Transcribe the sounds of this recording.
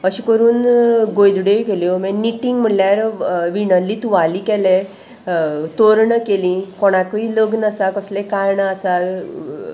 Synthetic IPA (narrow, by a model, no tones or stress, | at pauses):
əɕikəɾuːnɡojd̪ɽejkeljomɛ̃niʈiŋɡm̤əljaɾʋiɳəlːit̪uʋalikɛle | t̪oɾɳəkelĩkɔɽ̃akiləɡnəsakəslekaɾɳaəsa